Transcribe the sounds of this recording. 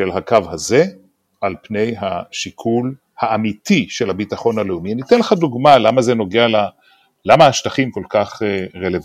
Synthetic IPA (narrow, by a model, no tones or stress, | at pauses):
ʃelɦakavhaze̞ | ʔalpne̞jɦaʃikʰul | haːmitʰiʃe̞lhabitaχo̞nhaleumianit̪enleχaduɡmalamaze̞no̞ɡeala | lamaːʃtaχimko̞lkaχeʁelev